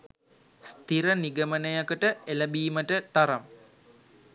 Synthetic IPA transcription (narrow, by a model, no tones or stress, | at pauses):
st̪iɾəniɡəmənəjakəʈəeləbiːməʈət̪aɾam